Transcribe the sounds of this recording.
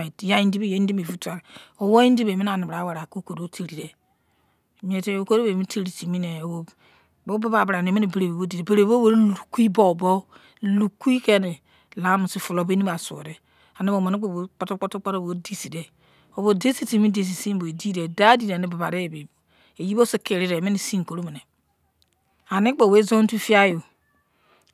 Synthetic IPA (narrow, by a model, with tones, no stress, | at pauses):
ja˦i˦n˦di˦be˦je˨˦di˦me˨vu˦ta˨ɾo˨wo˦i˦n˦i˦be˨mi˦na˨n˨ba˨˦wa˨ɾa˨ko˦ko˨ɾo˨˦tʰi˨ɾi˨de˨ | m˨e˨te˦o˨˦ko˦ɾo˦be˨mi˦ti˦ɾi˨ti˨mi˦ne˨o˨ | bo˦ba˦ba˨bɾa˨ne˨mi˦ni˨be˨ɾe˨be˨bo˦di˨de˨be˨ɾe˨bo˦bo˦ɾlu˨ku˦i˦bo˦˨bo˦ | lu˨ki˦ke˦ne˨ | la˨˦mu˨si˨˦fu˨lo˨be˦ni˦ba˨so̰˨ɾe˦ | a˨ni˦bo˨ma˨ni˦k͡po˨bo˨˦k͡po˦to˦k͡po˦to˦k͡pa˦ɾo˦˨bo˨˦di˦si˨de˨ | o˨bo˨de˦si˦ti˨mi˦de˨s̬i˨si˦bo˨e˨di˦de˨da˦di˦˨de˨ni˦ba˨ba˨ɾe˦˨be˨b | e˨ji˦bo˦si˦ke˨ɾi˦ɾe˨mi˦ni˨si˦ŋ˨ko˨ɾo˦mi˨ne˨ | a˨ni˦k͡po˨we˦zo˦n˦tu˦fi˦a˦jo˨